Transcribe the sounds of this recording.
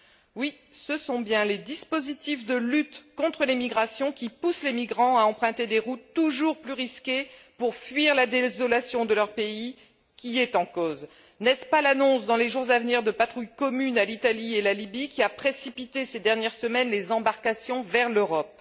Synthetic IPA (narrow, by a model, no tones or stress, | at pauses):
wi | səsɔ̃bjɛ̃led̪ispozit̪ifd̪əlyt̪kɔ̃t̪χəlemiɡʁasjɔ̃kʲipuslemiɡʁɑ̃aɑ̃pχɛ̃t̪ed̪eʁut̪ːuʒuʁplyʁiskʲepuʁfɥiʁlad̪ezɔlasjɔ̃d̪əlœʁpei | kʲiɛt̪ɑ̃koz | nɛspalanɔ̃sd̪ɑ̃leʒuʁzavniʁd̪əpat̪χujkɔmynalit̪alielalibikʲiapχesipit̪esed̪ɛʁnjɛʁsəmɛnlezɑ̃baʁkasjɔ̃vɛʁløʁɔp̚